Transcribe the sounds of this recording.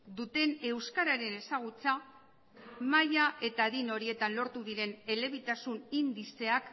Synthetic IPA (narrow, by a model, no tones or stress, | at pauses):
d̪ut̪e̞ne̞wskaɾaɾe̞ne̞saɣ̞ut͡sa | majaʔe̞t̪aðino̞ɾie̞t̪anlo̞ɾt̪uðiɾe̞ne̞le̞β̞it̪asunind̪ise̞ak